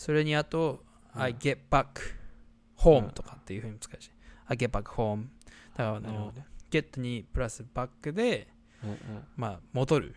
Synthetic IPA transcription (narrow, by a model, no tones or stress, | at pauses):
so̞ɾe̞ɲ̟iat̪o̞ | aiɡe̞pbakːɯ̥ | ho̞ːmɯ̟t̪okḁt̪ːe̞jiɯ̟hɯ̟ɲ̟imɯ̟t͡skaɕi̥aɡe̞pːakːɯ̟̥ho̞ːmɯ̟d̪̥akaɾanaɾiɦoɡ̥e̞t̪ːo̞ɲ̟ipɯ̟ɾasɨbakːɯ̟d̪e̞ | mamo̞d̪o̞ɾɯ̟̰